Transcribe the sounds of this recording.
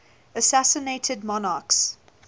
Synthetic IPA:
əsæsəneɪtʰədmɔnɑːˑks

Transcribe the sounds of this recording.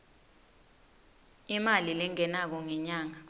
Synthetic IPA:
imalilɛŋɛnak̬ɔŋɛɲaːŋa

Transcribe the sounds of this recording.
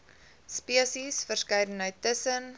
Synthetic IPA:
spiəsisfərskœjdən̩əjtəsən

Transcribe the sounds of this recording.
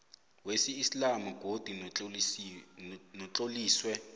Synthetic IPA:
wesiːslamuɡ̥ʱod̥ʱu | nɔt͡ɬʼoliːswɛ

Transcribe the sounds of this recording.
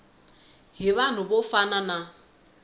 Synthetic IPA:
ɦiβan̤ʊbofanana

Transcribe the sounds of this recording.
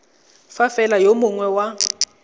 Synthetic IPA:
fafɛlajomʊŋwɛwa

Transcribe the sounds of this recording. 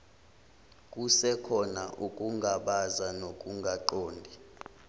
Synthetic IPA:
k̬ʼusɛkʰɔnaʔukʼuŋɡʱaɓazanok̬ʼuŋɡʱaǃoːndʱi

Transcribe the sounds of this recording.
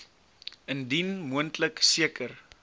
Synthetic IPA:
əndinmuəntləksiəkʰər

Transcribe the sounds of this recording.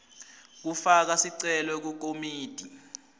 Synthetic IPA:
k̬ufak̬asiǀɛlɔk̬uk̬omiːd̥ʱi

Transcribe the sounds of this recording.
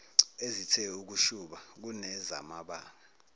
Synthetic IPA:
ezitʰɛuk̬uʃuɓak̬unɛza̰maɓaːŋa

